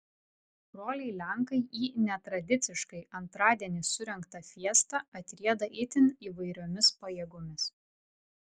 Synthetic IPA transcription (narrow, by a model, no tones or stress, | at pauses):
bɾoːlʲɛɪlʲɛŋkɐɪʔiːnʲɛt̪ɾɐd̪ʲɪt̪sʲɪʃkɐɪɐnt̪ɾɑːd̪ʲiɛnʲɪsʊɾʲɛŋkt̪ɐfʲiɛst̪ɑɐt̪ʲɾʲiɛd̪ɐʔɪt̪ʲɪniːʋɐɪɾʲoːmʲɪspɐjɛːɡʊmʲɪs